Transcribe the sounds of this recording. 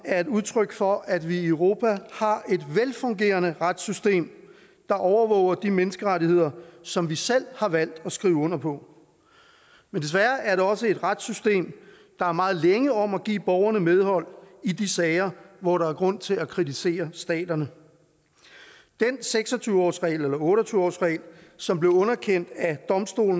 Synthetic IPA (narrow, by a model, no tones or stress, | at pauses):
æɐe̝duð̞ˠt͡sʰʁœɡ̥fɒ̽ʔæd̥ʋiøʊʁo̝ːpʰæhɑ̈e̝d̥ʋelfɔ̽ŋɡe̝̰ːɐnəʁad̥sysd̥e̝̰ːm | d̥ɑ̈ʔɒʊɐʋɔ̰ʊɐd̥imenəsɡ̥əʁat͡sihe̝ð̰ˠɐsɒ̽mʋisel̰hɑ̈ʋæl̰d̥ɒ̽sɡ̥ʁiːʊɔ̽n̰ɐpʰɒ̽ | mend̥es̬ʋæɐæɐɾeɒ̽səe̝d̥ʁad̥sysd̥e̝̰ːm | d̥ɑ̈æɐmɑ̈ːð̩ˠleŋəɒ̽mæɡ̥ḭːb̥ɒʊɐnəmeð̞ˠhɒ̽l̰idisɛːɪɐʋɒɾɑ̈æɐɡ̥ʁɔ̽n̰t͡sʰe̝lækʰʁit͡sʰise̝̰ːɐsd̥ɛ̰ːd̥ɐnə | d̥enseɡ̥sɒ̽t͡sʰyːʊɒ̰ːsʁɛ̰ɪlelɐɔ̽ːɾɒt͡sʰyːʊɒ̰ːsʁɛ̰ɪ̰lsɒ̽mb̥le̝ʊɔ̽nɐkʰen̰d̥æd̥ɒ̽msd̥o̝̰ːln̩